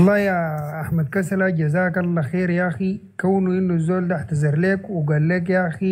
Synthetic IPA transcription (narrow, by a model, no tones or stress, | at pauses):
lˤːɑːjaaħmad̪̚kasalaɟazaːkalːaxeːɾjaːxi | kawnuinːuzːoːld̪aħt̪azɑɾˤleːkwiɡalːeːk̬jaːxi